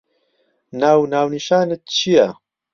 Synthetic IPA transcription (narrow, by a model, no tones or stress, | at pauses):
naːwnaːwniʃaːnet̪̚t͡ʃʰijɛ